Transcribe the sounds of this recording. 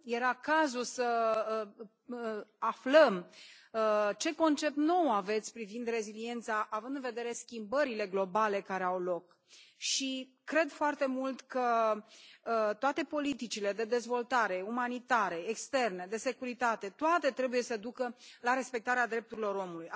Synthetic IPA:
je̞ɾakazulsə | afləm | t͡ʃe̞ko̞nt͡ʃe̞p̚t̪no̞wave̞t̪sʲpɾivind̪re̞zilie̞nt̪saʔavɨnd̪ɨnve̞d̪e̞ɾe̞skʲimbəɾile̞ɡlo̞bale̞kaɾeawlo̞k | ʃi | kɾe̞d̪foart̪e̞mult̪kə | t̪oat̪e̞po̞lit̪it͡ʃile̞d̪e̞d̪e̞zvo̞lt̪aɾe̞umanit̪aɾe̞ekst̪e̞rned̪e̞se̞kuɾit̪at̪e̞t̪oat̪e̞t̪ɾe̞buje̞səd̪ukəlaɾe̞spe̞k̚t̪aɾead̪ɾe̞p̚t̪uɾilo̞ɾo̞muluj

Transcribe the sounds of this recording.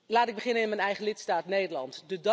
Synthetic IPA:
laːtɪɡ̚bəχɪnənɪnmɛjnɛjχəlɪtstaːtneːdəlɑ̰ntdəd

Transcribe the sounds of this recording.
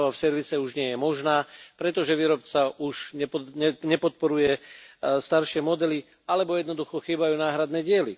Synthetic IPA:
ʋafsɛɾʋisɛuʒɲɪɛjɛmɔʒnaːpɾɛt̪ɔʒɛʋiːɾɔpt͡saʔuʃɲɛpɛɲɛpɔt̪̚pɔɾujɛst̪aɾʃɪɛmɔd̪ɛli | alɛbɔjɛd̪nɔd̪uxɔxiːbajuːnaːɦɾad̪nɛɟɪɛli

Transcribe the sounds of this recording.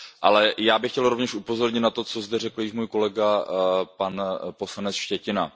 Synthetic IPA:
ʔa̰lɛjaːbɪxcɛlɾo̞vɲɛʃʔupo̞zo̞ɾɲɪt̪nat̪o̞t͡so̞zd̪ɛrɛkl̩jɪʃmuːjkolɛɡapanpo̞slanɛt͡sʃcɛcɪna

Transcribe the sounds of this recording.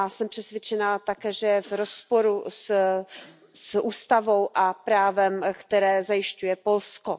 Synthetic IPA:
asɛmpr̥ɛsvjɛt͡ʃɛnat̪akɛːʒɛjɛvɾospo̞ɾus | sʔuːst̪avo̞wʔapɾaːvɛmkt̪ɛɾɛːzajɪʃcujɛpo̞lsko

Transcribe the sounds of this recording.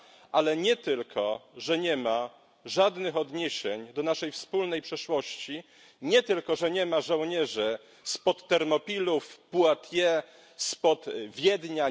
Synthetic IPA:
ʔalɛɲɛt̪ɘlkʰɔʐɛɲɛma | ʐad̪nɘxɔd̪ɲeɕeɲd̪ɔnaʂɛjfspulnɛjpʂɛʂwɔɕt͡ɕi | ɲɛt̪ɘlkɔʐɛɲɛmaʐɔ̃wɲɛʐɘ | spɔt̪ːɛɾmɔpʲilufpuat̪jɛ | spɔt̪vʲjɛd̪ɲa

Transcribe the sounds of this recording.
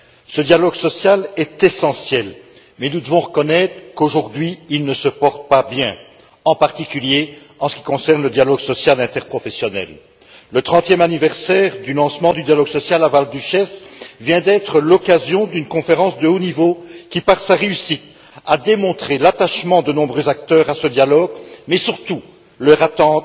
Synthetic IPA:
səd̪jalɔɡsɔsjalɛt̪ɛsɑ̃sjɛl | mɛnud̪əvɔ̃ʁəkɔnɛt̪χəkoʒuʁd̪ɥiːlnəsəpɔʁt̪̚pabjɛ̰̃ | ɑ̃paʁt̪ikʲylje | ɑ̃sə̥kʲikɔ̃sɛʁnləd̪jalɔɡsɔsjalɛ̃t̪ɛʁpχɔfɛsjɔnɛ̰lː | ət̪χɑ̃t̪jɛmanivɛʁsɛːʁd̪ylɑ̃smɑ̃d̪yd̪jalɔɡsɔsjalavald̪yʃɛsvjɛ̃d̪ɛt̪χəlɔkazjɔ̃d̪ynkɔ̃feʁɑ̃sd̪əonivokʲipaʁsaʁeysit̪ | ad̪emɔ̃t̪χelat̪aʃmɑ̃d̪ənɔ̃bʁøzak̚t̪œːʁasəd̪jalɔɡmɛsyʁt̪u | lœʁat̪ɑ̃

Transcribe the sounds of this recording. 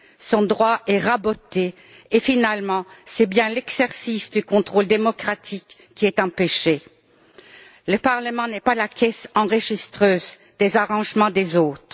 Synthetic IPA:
sɔ̃d̪ʁwaʔɛʁabot̪e | efinalmɑ̃sɛbjɛ̃lɛɡz̥ɛʁsisd̪ykɔ̃t̪χold̪emɔkχat̪ʰikː | iɛt̪ɑ̃peʃe | ləpaʁləmɑ̃nɛpalakʰʲɛsɑ̃ʁəʒist̪χøːz | d̪ezaʁɑ̃ʒmɑ̃d̪ezoːt̪χ

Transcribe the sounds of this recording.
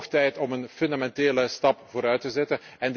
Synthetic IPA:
xtɛjtɔmənfʏndamɛnteːləstɑpvoːɾœɥtəzɛtən | ɛnd

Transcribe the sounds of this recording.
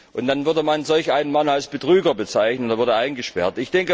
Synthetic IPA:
ʔʊntd̥anvʏɐdəmanzɔlçaɪnənmanalsb̥ətʁ̥yːɡɐbət͡saɪçnətdːɐvʊɐdəʔaɪnɡəʃpɛɐtɪçd̥ɛŋkə

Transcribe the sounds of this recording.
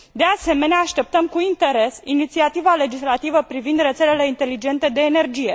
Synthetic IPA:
d̪ease̞me̞neaːʃt̪e̞p̚t̪əmkuint̪e̞ɾe̞sinit̪siat̪ivale̞d͡ʒislat̪ivəpɾivind̪re̞t̪se̞le̞le̞int̪e̞lid͡ʒe̞nt̪e̞d̪e̞ːne̞rd͡ʒije̞

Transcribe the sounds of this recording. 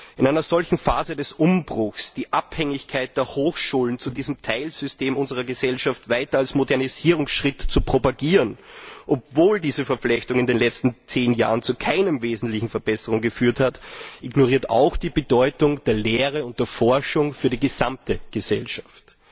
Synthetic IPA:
ʔɪnʔaɪnɐzɔlçn̩faːzədɛsʔʊmbʁʊxsd̥iːʔaphɛŋɪçkʰaɪt̚d̥eːɐhoːxʃuːlənt͡sudiːzəm̩tʰaɪlz̥ʏsteːmʊnzəʁ̞ɐɡəzɛlʃaftvaɪtɐalsmodɛɐniziːʁʊŋsʃʁ̥ɪtt͡supʁ̥opaɡiːʁənʔɔp̚voːldiːzəfɛɐp͡flɛçtʊŋɪndeːnlɛt͡stn̩t͡seːnja̰ːʁənt͡sukʰaɪnəmveːzn̩tlɪçn̩fɛɐbɛsəʁʊŋɡəfyːɐthatʔɪɡnoʁ̞iːɐta̰ʊxd̥iːbədɔʏtʊŋd̥eːɐleːʁəʊnt̚d̥eːɐfɔɐʃʊŋfyːɐɾiɡəz̥amtəɡ̥əzɛlʃḁft

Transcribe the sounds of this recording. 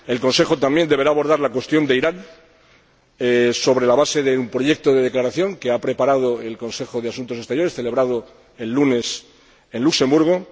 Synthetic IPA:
e̞lko̞nse̞xo̞t̪ambje̞nd̪e̞βe̞ɾaːβo̞ɾð̞aɾlakwe̞st̪jo̞nd̪eiɾan | eso̞β̞ɾe̞laβase̞ðeumpɾo̞ʝe̞k̚t̪o̞ðe̞ðe̞klaɾaθjo̞ŋkeapɾe̞paɾað̞o̞e̞lko̞nse̞xo̞ðeasunt̪oest̪eɾjo̞ɾe̞sθele̞β̞ɾað̞o | e̞lːune̞s | e̞nlukse̞mbuɾɣ̞o

